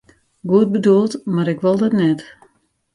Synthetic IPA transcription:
ɡuət̚bədulˠtmaɾɪkʋɔlˠdɔtnɛt

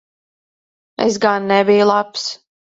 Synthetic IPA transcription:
ḛs̬ɡanːɛbijlˠaps

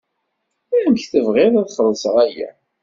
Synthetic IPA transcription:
æəmçθəvʁɪɾˤæðχəðˤsʁæjæ̰

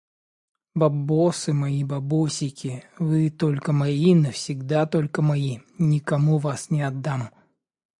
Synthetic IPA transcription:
bɐbosɨmɐibɐbosʲɪkʲɪvɨt̪olʲkəmɐinəfsʲɪɡd̪at̪olʲkəmɐinʲɪkɐmuvasnʲɪɐd̪ːam

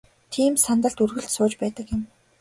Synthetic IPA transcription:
t̪ʰiːmsant̪ə̆ɬt̪urɣɘ̆ɬt̪sʊːt͡ɕpæːt̪ə̆kjɪ̆m

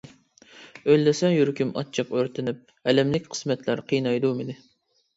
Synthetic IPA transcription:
øjlːɛsɛŋjyɾkʲymɑ̰t͡ʃʰəqøɾt̪ʰɪnɪp̚ | ɛlɛmlɪkʲqʰə̥smɛt̪ʰlæɾqʰijnɑjd̪umɪnɪ

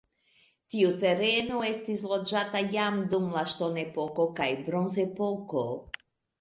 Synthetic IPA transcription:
tiute̞ɾe̞noe̞stislo̞d͡ʒatajamdumlaʃto̞ne̞po̞ko̞kajbɾo̞nze̞po̞ko̞

